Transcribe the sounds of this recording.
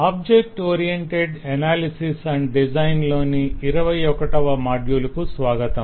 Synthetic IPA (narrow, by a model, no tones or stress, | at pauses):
aːb̚d͡ʒek̚ʈoːɾijeɳʈeɖɐnaːlisisɐɳɖɖid͡ʒɐjnloːniiɾɐʋɐjɔkɐʈɐʋɐmaːɖjulɐkusʋaːɡɐt̪ɐm